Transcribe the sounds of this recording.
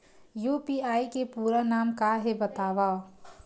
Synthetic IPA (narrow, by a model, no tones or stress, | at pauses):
jupiaːikepuːɾanaːmkaɦebət̪aːʋao